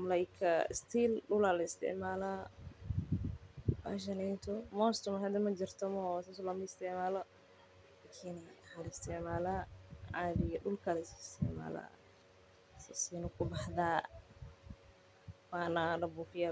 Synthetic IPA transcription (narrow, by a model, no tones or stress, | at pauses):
mɐlajkʰɐɪ̰st̪ʰiːlɗʊlaːlɐɪst̪ʰɪ̰ʕmaːla | ba̰ːʃ̬ɐnɛnt̪ʰɔmɔːst̪ʊmhɐd̪ɛmɐd͡ʒɪrt̪ʰɐmɔsaːsɔlɐmʊɪst̪ʰɪʕmaːlɐ | laːkʰiːnaħalɐɪst̪ʰɪʕmaːlaʕaðɪjɐɖʊlkʰɐlɐsst̪ʰɪ̰ʕma̰ːla̰ | sɐsiːnʊkʰʊbɑħðaː | waːnɐnɐbufɪja